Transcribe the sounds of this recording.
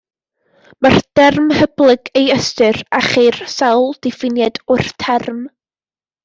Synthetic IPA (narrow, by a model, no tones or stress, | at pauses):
mard̥ɛrmhəblˠɨɡejəstɨraχirsɛwlˠd̥ɪfɪnjɛdʊrtʰɛrm